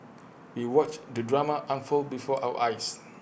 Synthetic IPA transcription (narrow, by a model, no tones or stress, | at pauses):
wiwɔt͡ʃdədɹamaʔãnfulbifɔʔa̰wə̰ʔajs